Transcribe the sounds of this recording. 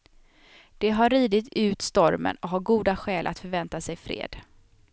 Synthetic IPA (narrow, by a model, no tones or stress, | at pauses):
d̪̥ɛɦaɾːiːd̪ɪt̪ʰʉ̟ːt̪st̪ɔɾmə̰nɔkɦaɾɡuːd̪aɧɛːlʔa̰t̪fœɾvɛnt̪asɛjfɾḛːd̪̥